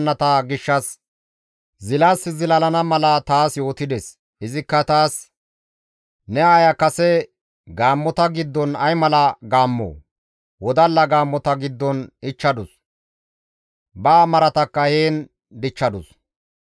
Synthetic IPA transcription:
nːɐt̪ɐɡɪʃːɐs | zɪlasːɪzɪlɐlɐnɐmɐlɐt̪aːsjo̞ːt̪ɪd̪es | ɪzɪkːɐt̪aːs | nɛaːjɐkɐsɛ | ɡaːmːɔt̪ɐɡɪd̪ːɔnɐjmɐlɐɡaːmːo̰ː | wɔd̪ɐlːɐɡaːmːɔt̪ɐɡɪd̪ːɔnɪt͡ʃːɐd̪ʊs | baːmɐɾɐt̪ɐkːɐheːn | d̪ɪt͡ʃːɐd̪ʊs

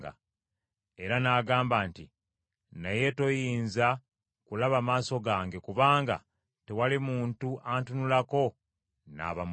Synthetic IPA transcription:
ɡa̰ | e̞ɾanaːɡaːmbaːnti | naje̞to̞jiːnza | kulaβamaːso̞ɡaːŋɡe̞kuβaːŋɡa̰ | tewalimuːntuʔantunulako̞ | na̰ːβam

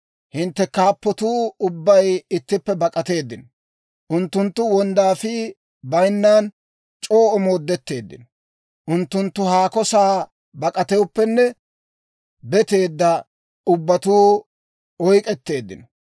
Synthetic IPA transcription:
hɪnt̪ːɛkaːpːɔt̪uːʊbːɐjɪt̪ːɪpːɛbɐkʼɐt̪e̞ːd̪ːɪnɔ | ʔʊnt̪ːʊnt̪ːʊwɔnd̪aːfi | bɐjnːaːn | t͡ʃʼo̞ːʔɔmo̞ːd̪ːɛt̪ːe̞ːd̪ːɪ̰nɔ | ʔʊnt̪ːʊnt̪ːʊhaːkɔsaː | bɐkʼɐt̪ɛwʊpːɛnːɛ | bɛt̪e̞ːd̪ːɐ | ʊbːɐt̪uː | ɔjkʼɛt̪ːe̞ːd̪ːɪ̰nɔ̥

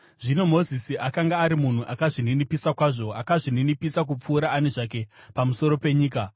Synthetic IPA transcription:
ʐino̞mo̞zisiʔakaŋɡaːɾimun̤uʔakaʐininipisakwaʐo̞akaʐininipisak̬up͡fuːɾaːne̞ʐak̬e̞pamuso̞ɾo̞pe̞ɲiːka

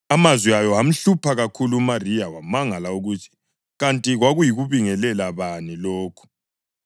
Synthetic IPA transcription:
amazwiajɔam̩ɬupʰaɣakʰuluːmarijawamaŋalauɣutʰi̥ | ɣantʼiɣwaɣujiɣuβiŋɛlɛlaβanilɔːkʰu̥

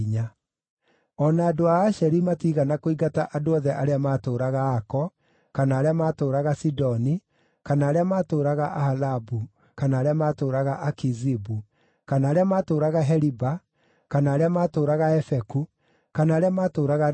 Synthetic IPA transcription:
ɲa | ɔnaːdoaːʃɛɾimatiːɣanakoiɡataʔadoɔðɛʔaɾeamaːtoːɾaɣaːkɔ | kanaːɾeamaːtoːɾaɣasidɔni | kanaːɾeamaːtoːɾaɣaʔahalabu | kanaːɾeamaːtoːɾaɣaʔakizibu | kanaːɾeamaːtoːɾaɣaɦɛɾiba | kanaːɾeamaːtoːɾaɣaɛfɛku | kanaːɾeamaːtoːɾaɣa

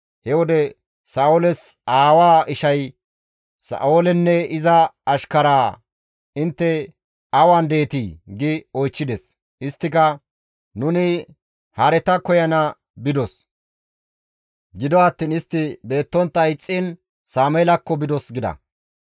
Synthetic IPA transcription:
hɛwɔd̪ɛ | saːolɛsaːwaːɪʃɐj | sɐ̰oːlɛnːɛɪzɐɐʃkɐɾaː | ɪnt̪ːɛ | ɐwand̪e̞ːt̪iɡɪɔjt͡ʃːɪd̪ɛs | ɪst̪ːɪkɐ | nʊnɪ | hɐɾɛt̪ɐkɔjɐnɐ | bɪd̪ɔs | ɡɪd̪ɔɐt̪ːiːnɪst̪ːɪbe̞ːt̪ːɔnt̪ːɐɪt͡sʼːin | saːmɔjɛlɐkːɔbɪd̪ɔsɡɪd̪ɐ̰

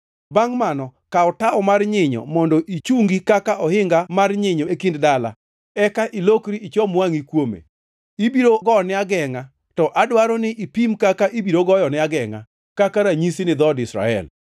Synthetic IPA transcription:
baŋmanɔkaɔtaɔmarɲɪɲɔ̰mɔndɔʔit͡ʃuŋɡikakaʔɔhɪŋɡamarɲɪɲɔekinddala̰ | ɛkaʔilokɾiit͡ʃɔmwaŋikwomḛ | ibiɾoɡɔnɪaɡɛŋa | tɔʔadwaɾɔnɪʔipimkakaʔibiɾoɡɔjɔnɪaɡɛŋa̰ | kakaɾaɲisinɪd̪ɔdɪsɾa̰ɛ̰l

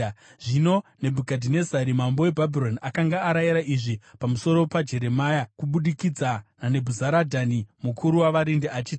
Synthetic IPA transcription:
ʐino̞ne̞bʱukadʱine̞zaɾimambo̞we̞bʱabʱiɾo̞nakaŋɡaːɾajiɾaʔiʐipamuso̞ɾo̞pad͡ʒe̞ɾe̞majakuɓuɗikid͡zanane̞bʱuzaɾadʱanimukʰuɾuwaʋaɾindiat͡ʃiːti

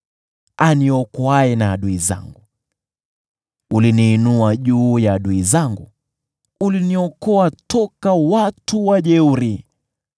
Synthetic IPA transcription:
aniɔkɔaɛnaːɗuiza̰ŋɡu | uliniːnuaʄuːjaːɗuizaŋɡṵ | uliniɔkɔatɔkawatuwaʄɛuɾi

